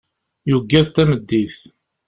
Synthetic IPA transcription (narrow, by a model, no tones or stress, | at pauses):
juɡːæðt̪æməd̪ːiθ